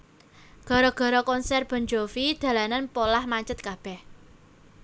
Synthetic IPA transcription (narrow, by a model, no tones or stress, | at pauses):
ɡ̥ɔ̤ɾɔɡ̥ɔ̤ɾɔkɔnsɛrb̥ə̤ɲd͡ʒofid̪̥ä̤lananpolahmaɲt͡ʃət̪̚kab̥ɛh